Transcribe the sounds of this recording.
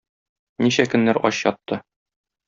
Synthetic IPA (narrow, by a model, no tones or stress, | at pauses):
niɕækɵ̆nːæɾɒ̰ɕjɒt̪ːɤ